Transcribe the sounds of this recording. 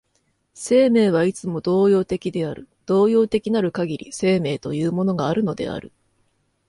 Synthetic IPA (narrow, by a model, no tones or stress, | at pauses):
se̞ːme̞ːβ̞ait͡sɨmo̞d̪o̞ːjo̞ːt̪e̞kʲid̪e̞aɾɯ̟̰d̪̥o̞ːjo̞ːt̪e̞kʲinaɾɯ̟kaɡʲiɾʲḭse̞ːme̞ːt̪o̞jɯ̟ːmo̞no̞ɡaːɾɯ̟no̞d̪e̞̰a̰ɾɯ̟̰